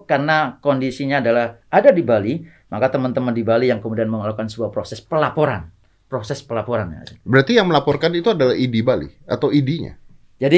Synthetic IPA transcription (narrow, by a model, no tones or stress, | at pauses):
karnakondisiɲaːdalahʔadadibali | makat̪əmənt̪əməndibalijaŋkəmudianməŋəlaukansəbuapɾosɛspəlapoɾa̰n | pɾosɛspəlapoɾanja̰sibəɾat̪ijaŋməlapɔrkanit̪uadalaɦidibalḭat̪awidiɲa̰ | d͡ʒadi